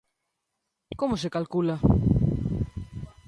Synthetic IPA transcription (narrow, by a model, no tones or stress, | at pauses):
komos̬ekalkula